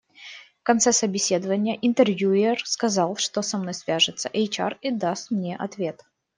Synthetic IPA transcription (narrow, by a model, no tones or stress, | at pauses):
fkɐnt̪sɛsəbʲɪsʲe̞d̪əvənʲɪjəʔɪnt̪ərvʲjuɪrskɐzɑlˠʂt̪osɐmno̞jsvʲaʐɨt̪səʔɛjt͡ɕa̰rid̪ast̪mnʲe̞ʔɐt̪vʲe̞t̪